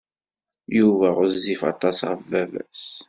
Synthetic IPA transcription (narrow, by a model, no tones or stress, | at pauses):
juvæʁʊzːifɑ̰t̪ˤɑsʁəvævæ̰s